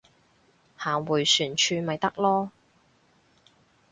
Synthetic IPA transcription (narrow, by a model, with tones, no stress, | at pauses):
haː˨˩ŋwuː˨˩jsyː˨˩nt͡ʃʰyː˧mɐ˨jt̪ɐ˥k̚lɔː˥